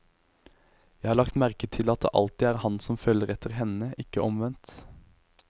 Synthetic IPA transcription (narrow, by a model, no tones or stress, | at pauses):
jæɪhɑːɾɭɑkt̪mæʁkət̪ʰɪlɑt̪̚d̪ḛːʔɑ̰lt̪ɪæːʁhɑnsɔmføːləʁɛt̪ʰəʁhɛnəʔɪkəʔɔmʋɛnt̪